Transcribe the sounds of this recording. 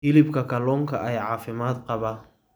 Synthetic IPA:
hɪlɪbkʰɐkʰɐlɔːŋkʰɐʔɛjʕɑːfɪmaːd̪qɑβɐ

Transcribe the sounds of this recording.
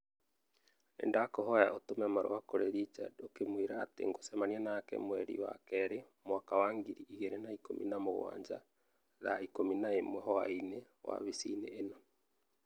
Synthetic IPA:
ɛ̰ndakoɦɔjaʔotomɛmaɾo̰wakoɾeɾit͡ʃa̰dokemwiɾaːtḛŋɡosɛmaniɛnakɛ̰mwɛɾḭwa̰kɛɾemwakawaŋɡiɾiʔiɣeɾenaikomʔḭnamoɣwa̰ːɲd͡ʒa̰ | ðaikominaemwɛɦɔaine | wa̰βisḭneːnɔ

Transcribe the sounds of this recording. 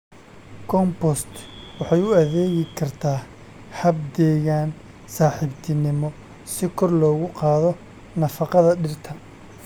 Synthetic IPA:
kʰɔmpɔst̪wɑħɑjʊɐðɛːɣɪkʰɐrt̪ʰaː | hɐbd̪ɛːɣaːn | saːħɪbt̪ʰɪnɪmɔ | sɪkʰɔrlɔːɣʊqɑːðɔ | nɐfɑqɑðɐɖɪrt̪ʰɐ

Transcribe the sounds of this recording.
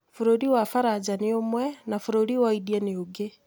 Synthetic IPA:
foɾoɾiwafaɾad͡ʑaneomwɛnafoɾoɾiwaidianeoɡe

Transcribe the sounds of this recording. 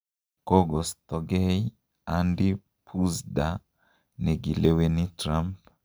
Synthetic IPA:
kɔɡɔst̪ɔɡei | andi | pʰusda | niɡilewenitɾamp

